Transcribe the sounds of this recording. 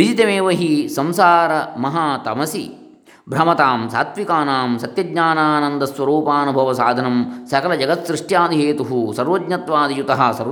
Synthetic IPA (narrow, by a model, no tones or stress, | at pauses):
id͡ʒit̪ɐmeːʋɐɦisɐmsaːɾɐmɐɦaːt̪ɐmɐsi | bʱɾɐmɐt̪aːmsa̰ːt̪ʋikaːnaːmsɐt̪jɐdɲaːnaːnɐnd̪ɐsʋɐɾuːpaːnubʱɐʋɐsaːd̪ʱɐnɐmsɐkɐlɐd͡ʒɐɡɐt̪sɾiʂʈjaːd̪ʱiɦeːt̪uɦusɐɾʋɐd̪ɲɐt̪ʋaːd̪ijut̪ɐɦɐsɐɾ